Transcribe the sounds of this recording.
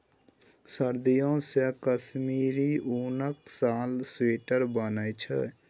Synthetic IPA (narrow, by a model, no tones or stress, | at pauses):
səɾd̪ijõːsɛːkəsmiːɾiːʔuːnəksaːlseːʈəɾbaːnajt͡ʃʰə